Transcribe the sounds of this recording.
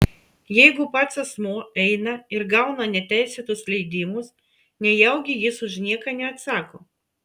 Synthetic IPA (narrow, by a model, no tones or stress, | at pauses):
jɛɪɡʊpɐt̪sɐsmoːɛɪnɐɪɾɡɐˑʊnɐnʲɛt̪ʲæˑɪsʲeːt̪ʊslʲɛɪd̪ʲɪmʊs | nʲɛjɛʊɡʲɪjɪsʊʒnʲiɛkɐnʲɛɐt̪sɑːkoː